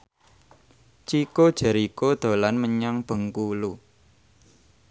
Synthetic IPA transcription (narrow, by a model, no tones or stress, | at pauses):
t͡ʃikod̥ʒ̥ə̤ɾikod̪̥o̤lanməɲaŋb̥ə̤ŋkulu